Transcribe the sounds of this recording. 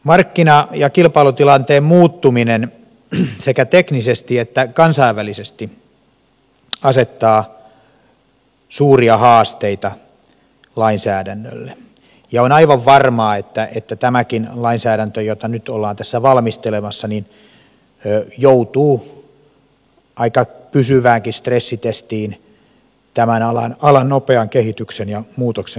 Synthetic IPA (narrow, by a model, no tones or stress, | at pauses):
mɑrkːinɑjɑkilpɑilut̪ilɑnt̪eːmmuːt̪ːuminen | sekæt̪eknisest̪iet̪ːækɑnsɑiʋʋælisest̪i | ɑset̪ːɑː | suːriɑhɑːst̪eit̪ɑ | lɑinsæːdænːø̰lːe | jɑonɑiʋɑʋʋɑrmɑːet̪ːæʔet̪ːæt̪æmækinlɑinsæːɾænt̪øjot̪ɑnyt̪olːɑːnt̪æsːæʋɑlmist̪elemɑsːɑnin | øjout̪uː | ʔɑikɑpysyʋæːŋkist̪resːit̪est̪iːn | t̪æmænɑlɑ̰nɑlɑnnopeɑŋkehit̪yksenjɑmuːt̪okse